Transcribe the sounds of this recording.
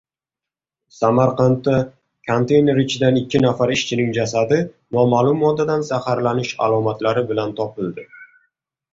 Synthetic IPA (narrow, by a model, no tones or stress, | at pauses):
samaɾqɑnt̪ːa | kʰont̪ʰe̞jne̞ɾɪt͡ʃʰɪd̪anɪkʲːɪnafaɾɪʃt͡ʃʰɪnɪŋd͡ʒasad̪ɪ | nɒmaːlˠʊmːɒd̪ːad̪ansahaɾlanɪʃa̰lˠɒmat̪laɾɪbɪlant̪ʰɒpɪld̪ɪ